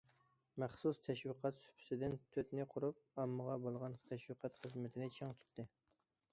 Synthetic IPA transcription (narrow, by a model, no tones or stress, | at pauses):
mæχsust̪ʰɛʃwiqʰɑt̪sy̥pʰy̥sɪd̪ɪnt̪ʰøt̪nɪqʰʊɾup̚ɑmːəʁɑbolˠʁɑnχʰɛʃwiqʰɑt̪χəzmɪt̪ʰɪnɪt͡ʃʰɑŋt̪ʰy̥t̪t̪ːɪ